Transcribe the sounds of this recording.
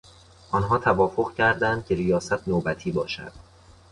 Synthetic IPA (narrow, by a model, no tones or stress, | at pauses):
ʔɒnɦɒːt̪ʰævɒːfoʁcʰæɾd̪ænd̪̚cʲʰe̞ɾijɒːsæt̪ʰnoːbæt̪ʰiːbɒːʃæ̰d̪̥